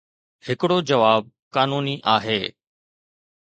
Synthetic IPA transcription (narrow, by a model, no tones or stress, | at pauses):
hɪkɪɽod͡ʑɐʋaːb̚ | kaːnuːniʔaːɦeː